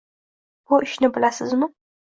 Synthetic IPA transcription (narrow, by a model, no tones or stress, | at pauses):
b̥ʊʔɪʃnɪbɪlasɪzmɪ